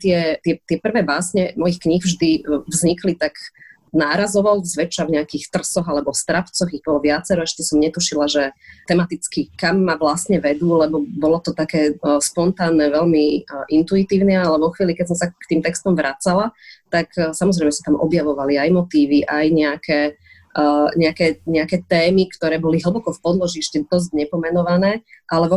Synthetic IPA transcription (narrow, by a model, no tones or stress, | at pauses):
t̪ɪɛt̪ɪɛt̪ɪɛpr̩ʋɛːbaːsɲɛmɔjixkɲiɣvʒd̪ivzɲiklit̪ak | naːɾazɔʋɔlzʋɛt͡ʃavɲɛakiːxt̪r̩sɔɣalɛbɔst̪ɾapt͡sɔɣiɣbɔlɔʋɪat͡sɛɾɔaʃɛ̥t̪ɔsɔmɲɛt̪uʃilaʒɛt̪ɛmat̪it͡skikamːaʋlasɲɛʋɛd̪uːlɛbɔbɔlɔt̪ɔt̪akɛːspɔnt̪aːnːɛʋɛlmiʔint̪uit̪iːʊnɛalɛʋɔxʋiːlikɛsɔmsakt̪iːmt̪ɛkst̪ɔmʋɾʔat͡salat̪aksamɔzɾɛɪmɛsat̪amʔɔ̰bjaʋɔʋaliajmɔt̪iːʋiʔajɲɛakʰɛː | ɲɛakɛːɲɛakɛːt̪ɛːmikt̪ɔɾɛːbɔliɦl̩bɔkɔfpɔd̪lɔʒiɛʃcɛd̪ɔzcɲɛpɔmɛnɔʋanɛːʔalɛʋɔ